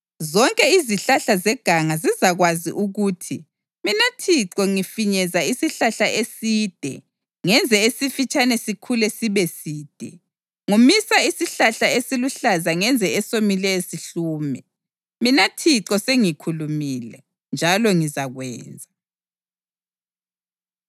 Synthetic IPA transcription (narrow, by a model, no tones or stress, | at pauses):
zɔŋkʼɛiziɬaɬazɛɡ̥ʱaŋazizaɣwazḭʔuɣuːtʰi | minatʰiǁɔŋifiɲɛzaisiɬaɬaʔesiːd̥ʱɛ̰ | ŋɛnd͡zʱɛesifit͡ʃʼanɛsikʰulɛsiβɛsiːd̥ʱɛ | ŋumisaisiɬaɬaesiluɬazaŋɛnd͡zʱɛɛsomilɛjesiɬuːmɛ | minatʰiǀɔseŋikʰulumiːlɛ | nd͡ʒʱalɔŋizaɣwɛ̰ːnd͡zʱa